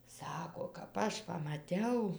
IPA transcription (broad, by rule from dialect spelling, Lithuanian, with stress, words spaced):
ˈsɑːkoː kɐp ˈɐʃ pɐmɐˈtʲɛʊ